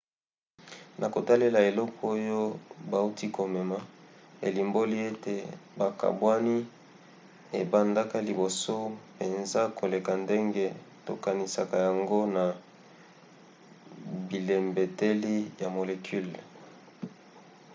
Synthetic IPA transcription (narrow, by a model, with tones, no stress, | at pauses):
nʔa˨ko˨ta˦le˦la˨e˨lɔ˦kʰo˦jo˦ba˨u˦ti˦ko˨mɛ˨ma˨ḛ˨li˨mbo˦li˦e˦te˨ba˨ka̰˨bwa˦ni˦ | e˨ba˨nda˦ka˦li˨bo˨so˦pe˨nza˦ko˨le˨ka˨nde˦ŋɡe˦to̰˨ka˨ni˨sa˨ka˨ja˨ŋɡo˦na˨ | bi˨le˨mbe˨te˦li˦ja˨mo˨le˨kʰy˦l